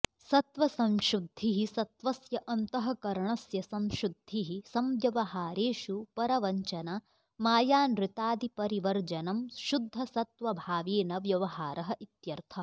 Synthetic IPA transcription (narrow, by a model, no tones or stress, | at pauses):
sɐt̪ʋɐsɐmʃɾud̪ʱːiɦisɐt̪ʋɐsjɐʔɐnt̪ɐɦɐkɐɾɐɳɐsjɐsɐmʃɾud̪ʱːiɦisɐmjɐʋɐɦaːɾeːʃupɐɾɐʋɐɲt͡ʃɐna | maːjaːnɾɪt̪aːd̪ipɐɾiʋɐɾd͡ʒɐnɐmʃud̪ʱːɐsɐt̪ʋɐbʱaːʋeːnɐʋjɐʋɐɦaːɾʔɐɦɐʔit̪jɐɾt̪ʰɐ